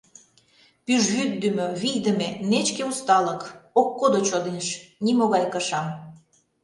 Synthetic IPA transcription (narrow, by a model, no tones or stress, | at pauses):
pyʒβyd̪̚d̪ymøβijd̪ə̆menet͡ɕkeust̪ɑləkokːod̪ot͡ɕod̪enʃnimoɣɑjkɤʃɑm